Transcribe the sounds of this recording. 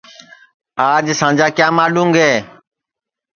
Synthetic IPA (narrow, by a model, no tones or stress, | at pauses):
aːd͡ʒsãːɲd͡ʒaːkjaːmaːlũːŋɡɦeː